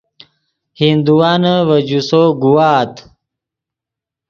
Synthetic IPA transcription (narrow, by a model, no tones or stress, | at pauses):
hind̪uwaːnəwəd͡ʑusoɡuwaːt̪